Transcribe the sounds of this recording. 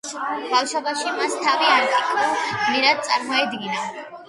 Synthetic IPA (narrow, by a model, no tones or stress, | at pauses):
bafʃɔbaʃimast̪ʰaviaɾt̪ʼʰikʼʰɾaniɾad̪̚t̪sʼaɾmɔɛd̪ɡina